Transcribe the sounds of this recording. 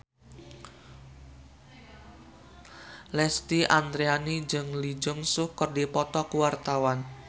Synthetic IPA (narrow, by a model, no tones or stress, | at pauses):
lɛst̪iʔand̪ɾeanid͡ʒəŋlid͡ʒʊŋsʊhkərdipɔt̪ɔkuwart̪awan